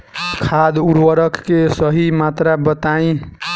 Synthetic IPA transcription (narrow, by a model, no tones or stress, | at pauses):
kʰad̪uɾwəɾəkːesʌɦimat̪ɾabət̪aĩ